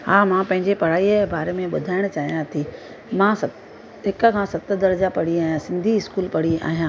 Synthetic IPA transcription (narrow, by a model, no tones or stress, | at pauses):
ɦaːmãpɐ̃ɦɪɲd͡ʑepɐɽ̤aːibaːɾemẽɓʊ̰d̪ʱaːɪɽ̃t͡ɕaːɦijãt̪ʰiː | mãːsɐ | ɦɪkə̆kʰãːsɐt̪ə̆d̪ɐɾəd͡ʑapɐɽiaːjãsɪ̃nd̪ʱiɪskuːlpɐɽ̤ia̰ːɦijãː